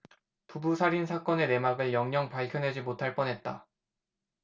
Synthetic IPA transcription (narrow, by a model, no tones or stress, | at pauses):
pubusʰaɾins̬ʰak͈ʌne̞ne̞maɡɯɭjʌŋɲʌŋpaɭkʰjʌnɦe̞d͡ʑimotʰaɭp͈ʌnɦe̞t̚t͈a̰